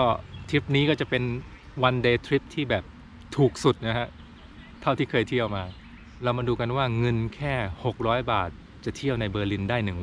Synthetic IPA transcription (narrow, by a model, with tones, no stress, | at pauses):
kɔː˥˩t̪ʰɾi˦˥p̚niː˦˥kɔː˥˩t͡ɕa˨˩pe˧n | wa˧ndeː˧t̪ʰɾi˦˥p̚t̪ʰiː˥˩bɛː˨˩p̚ | t̪ʰuː˨˩k̚su˨˩t̪̚na˦˥kʰa˦˥ʔ | t̪ʰa˥˩wt̪ʰiː˥˩kʰɤː˧jt̪ʰi˥˩əwmaː˧ | ɾa˧wmaː˧duː˧ka˧nwaː˥˩ŋɤ˧nkʰɛː˥˩ho˨˩k̚ɾɔː˦˥jbaː˨˩t̪̚ | t͡ɕa˨˩t̪ʰi˥˩əwna˧jbɤː˧li˧ndaː˥˩jnɯ˨˩ŋ